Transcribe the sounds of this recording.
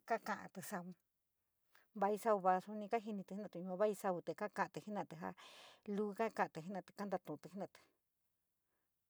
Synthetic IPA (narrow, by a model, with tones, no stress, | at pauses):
ka˦kã˧˨ʔã̰˧t̪ɨ˧sa˧βu˧ | βa˧i˧sa˧u˧βa˧su˧nĩ˧ka˦ɦi˧nĩ˧t̪nã˧˨t̪u˧˨ɲũ˧ã˧βa˦i˧sa˧βu˧t̪e˨˧ka˦kã˧ʔã˧t̪ɨ˧hi˦nã˧˨t̪e˧ɦa̰˧lu˦˧ka˦kã˧ʔã˧t̪e˧˨ɦi˦nã˧˨t̪e̥˧˨ka˦nd̪a˧t̪ũ˧˨˧t̪ɨ˧hi˦nã˧˨˧t̪ɨ̥˧